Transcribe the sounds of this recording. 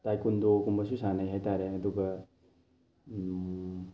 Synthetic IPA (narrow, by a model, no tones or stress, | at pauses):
tajkundokumbɐsusanajɦajtaɾeɐduɡɐ